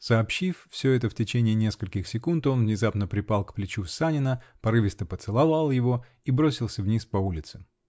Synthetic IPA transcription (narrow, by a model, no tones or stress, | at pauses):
səːpɕiffsʲɵɛt̪əftʲɪt͡ɕenʲɪːnʲe̞skəlʲkʲɪxsʲɪkunt̪o̞nvnʲɪzapnəpɾʲɪpɑlˠkplʲɪt͡ɕufsanʲɪnəpɐɾɨvʲɪst̪əpət̪sɨlˠɐvɑlˠjɪvo̞ | ibɾosʲɪlˠsʲəvnʲispɐulʲɪt̪sɨ̥